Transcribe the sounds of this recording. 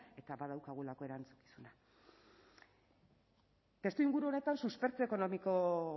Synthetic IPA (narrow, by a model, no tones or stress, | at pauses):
e̞t̪aβað̞awkaɣ̞uelako̞e̞ɾant͡su̥ki̥suna | t̪e̞st̪uiŋɡuɾuo̞net̪ansuspe̞ɾt͡seeko̞no̞miko̞